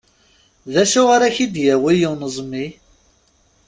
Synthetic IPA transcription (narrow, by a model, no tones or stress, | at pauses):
ðæʃʊʁaɾaçid̪jæwijiwnəzˤmːi